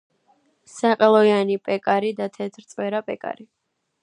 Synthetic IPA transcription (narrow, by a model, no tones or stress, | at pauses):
saqʼɛlˠɔjanipʼɛkʼaɾid̪at̪ʰɛt̪ʰɾt̪sʼwɛɾapʼɛkʼa̰ɾi